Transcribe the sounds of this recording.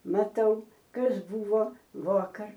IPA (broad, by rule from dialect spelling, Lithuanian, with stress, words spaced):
mɐˈtɐʊ ˈkɐs ˈbʊʋoː ˈʋuɔkɐr